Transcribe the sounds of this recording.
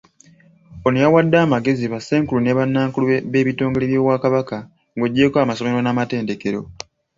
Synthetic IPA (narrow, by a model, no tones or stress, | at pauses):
onojawadːaːmaɡe̞ziβasːe̞ːŋkuluneβanːaːŋkulueβe̞ːβito̞ːŋɡeleβjo̞ːwaːkaβaka | ŋɡo̞ɟːe̞koamaso̞me̞ɾo̞namate̞ːnde̞ke̞ɾo̞